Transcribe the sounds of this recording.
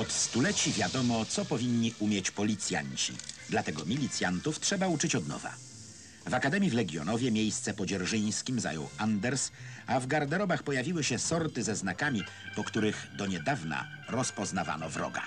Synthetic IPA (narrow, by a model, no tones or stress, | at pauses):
ɔt̪st̪ulɛt͡ɕivʲjad̪ɔmɔt̪sɔpɔvʲiɲːiʔumʲjɛt͡ɕpɔlʲit̪sʲja̰ɲt͡ɕḭd̪lat̪ɛɡɔmʲilʲit̪sʲjant̪uftʂɛbaut͡ʂɘt͡ɕɔd̪nɔ̰va̰ | vakad̪ɛmʲjivlɛɡʲjɔ̰nɔvʲjɛmʲjejst̪sɛpɔd͡ʑɛɾʐɘj̃skʲimza̰jɔ̰wand̪ɛɾsavɡaɾd̪ɛɾɔbaxpɔjavʲiwɘɕɛsɔɾt̪ɘzɛznakamʲi | pɔkt̪uɾɘɣd̪ɔɲɛd̪avna̰ | ɾɔspɔznava̰nɔvɾɔ̰ɡa̰